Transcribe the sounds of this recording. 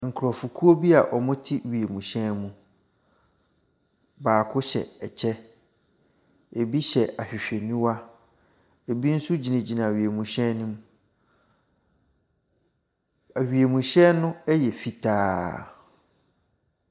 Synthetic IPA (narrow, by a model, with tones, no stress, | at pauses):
ŋ̩˨kʰɾɔ˨fu˨kʰu˦o˦bi˦a˨ʔɔ˨mʊ̃˦tʰi˦ɥi˨e˨mũ˨ɕɛ̃˦mũ˦ | baː˨kʰʊ˦ɕɛ̰˨ɛ˨t͡ɕʰɛ˦ | e˨bi˦ɕɛ˨a˨ɕᶣɪ˨ɕᶣe˨nũ˦wa˦ | e˨bi˦n̩˦su˦d͡ʑi˨nã˨d͡ʑi˨nã˨ɥi˨e˨mũ˨ɕɛ̃˦nũ˦m | a˨ɥi˨e˨mũ˨ɕɛ˦nʊ̃˦ɛ˦jɛ˨fi˨tʰaː˦